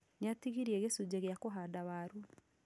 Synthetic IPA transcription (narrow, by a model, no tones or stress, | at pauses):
neatiɣiɾieɣesud͡ʑeɣeakoɦaːdaβaːɾu